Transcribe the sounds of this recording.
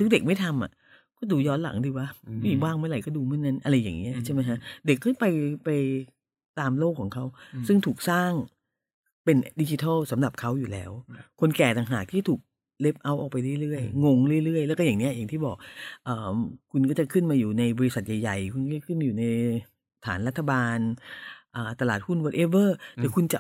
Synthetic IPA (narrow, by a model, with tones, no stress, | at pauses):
t̪ʰu˦˥k̚de˨˩k̚ma˥˩jt̪ʰa˧mʔa̰˨˩ | kɔː˥˩duː˧jɔː˦˥nla̰˨˩˦ŋdi˧wa˦˥mi˥˩˨waː˥˩ŋmɯ˥˩əɾa˧˩jkɔː˥˩duː˧mɯ˥˩əna˦˥nʔa˧ɾa˧jːaː˨˩ŋni˦˥ɐt͡ɕʰa˥˩ma˦˥jkʰa˦˥ʔde˨˩kʰːɔː˥˩pa˧jpa˧j | t̪aː˧mloː˥˩kʰːɔː˩˦ŋkʰa˦˥wsɯ˥˩ŋt̪ʰuː˨˩k̚saː˥˩ŋ | pe˧ndi˧t͡ɕi˧t̪ʰɔ˥˩wsa˩˦mla˨˩p̚kʰa˦˥wjuː˨˩lɛː˦˥wkʰo˧nkɛː˨˩t̪a˨˩ŋɦaː˨˩k̚t̪ʰiː˥˩t̪ʰuː˨˩k̚ | le˦˥p̚ʔa˧˥wʔɔ̰ː˨˩k̚pa˧jɾɯ˥˩jɾɯ˥˩əjŋo˧ŋɾɯ˥˩əjɾɯ˥˩əjlɛː˦˥kɔː˥˩aː˨˩ŋni˦˥ɐjaː˨˩ŋt̪ʰiː˥˩bɔː˨˩k̚ʔəː˨˩mkʰu˧nkɔː˥˩t͡ɕa˨˩kʰɯ˥˩nmaː˧juː˨˩na˧jbɔː˧ɾi˧sa˨˩t̪̚ja˨˩jːa˨˩jkʰu˧nkɔː˥˩t͡ɕa˨˩kʰɯ˥˩njuː˨˩na˧j | t̪ʰa̰ː˩˦nɾa˦˥t̪ʰːa˧baː˧nʔaː˨˩t̪a˧laː˨˩t̪̚hu˥˩nwoː˦˥t̪ʔe˦˥bɤː˥˩t̪ɛː˨˩kʰu˧nt͡ɕa˨˩